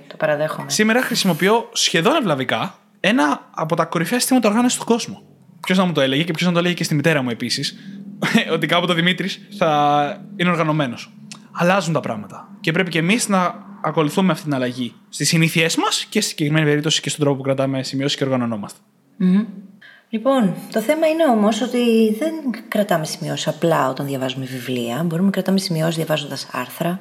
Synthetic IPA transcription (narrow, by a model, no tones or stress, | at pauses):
t̪opɐɾɐðexomsime̞ɾɐxɾisimo̞pio̞sçe̞ðo̞nevlɐvikɐ | e̞nɐːpo̞t̪ɐko̞ɾifçɐsist̪imɐt̪ɐoɾɣɐnosi̥st̪oɡo̞zmo̞ | pço̞znɐmut̪oe̞le̞ʝecepço̞znɐt̪oeleʝecest̪imit̪e̞ɾɐmue̞pisis | o̞t̪ikɐpot̪oðimit̪ɾisθɐineoɾɣɐno̞me̞no̞s | ɐlɐzunt̪ɐpɾɐ̰ɣmɐt̪ɐ̥ce̞p̬ɾe̞pice̞miznɐːko̞luθumeɐft̪it̪inɐlɐʝist̪isiniθie̞zmɐscesi̥siɲɟekɾime̞nipe̞ɾip̚t̪osi̥cestond̪ɾo̞popukɾɐt̪ɐme̞simio̞si̥ce̞o̞ɾɣɐno̞no̞mɐst̪e̥ | m̩ | lipo̞nt̪o̞θe̞mɐine̞o̞mo̞so̞t̪iðe̞nkɾɐt̪ɐme̞simio̞siɐplɐo̞t̪ɐnðjʝɐvɐzumevivliɐbo̞ɾumnɐkɾɐt̪ɐmesimio̞sðjɐvɐzond̪ɐsɐ̰ɾθɾɐ